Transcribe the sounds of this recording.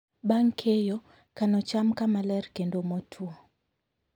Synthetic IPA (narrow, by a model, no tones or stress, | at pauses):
baŋkʰejɔ | kanɔt͡ʃamkamalɛɾkendomɔtʰuɔ